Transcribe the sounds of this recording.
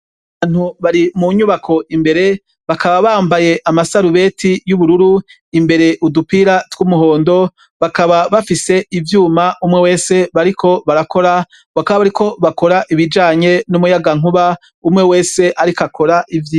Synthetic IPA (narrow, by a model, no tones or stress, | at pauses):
aβaaːn̥huβaɾimuɲuβakʰo̞imbe̞ɾe̞ | βakʰaβaβaːmbaje̞ʔamasaɾuβe̞ːtʰijuβuɾuɾu | imbe̞ɾe̞ʔudupiɾatɡ̥umuɦo̞ːndo̞ | βakaβaβafise̞ivjuːmaumŋewe̞ːse̞βaɾikʰo̞βaɾako̞ɾa | βakaβaβaɾiko̞βako̞ɾaʔiβid͡ʒaːɲe̞numujaɡaŋ̥uβa | umŋe̞we̞ːse̞ʔaɾikakʰo̞ɾaʔivjiː